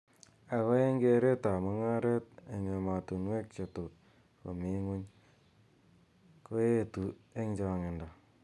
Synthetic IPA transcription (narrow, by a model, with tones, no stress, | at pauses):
a˨βa˦e˦ŋɡe˦ɾe˦ta˨ma˦ŋa˦ɾe˦t̚e˨ɲe˨ma˨tu˨nwe˦k̚t͡ʃe˨tu˨ | ko̰˨mi˦ŋu˦ɲ | ko˦je˦tu˨e˦ŋd͡ʒa˨ŋe˨nda˨